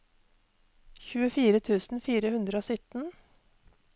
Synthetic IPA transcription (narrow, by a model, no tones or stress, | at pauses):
çʉːəfiːɾət̪ʰʉːsn̩fiːɾəhʉnd̪ɾəoːsʏt̪n̩